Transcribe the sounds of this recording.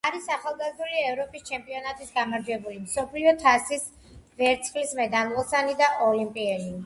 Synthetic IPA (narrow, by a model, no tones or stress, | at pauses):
aɾisaχalˠɡazd̪uliɛvɾɔpʼist͡ʃʰɛmpʼiɔnat̪ʼisɡamaɾd͡ʒwɛbulimsɔpʰliɔt̪ʰasis | vɛɾt̪sʰχlismɛd̪anvɛlˠsanid̪aʔɔlimpʼiɛli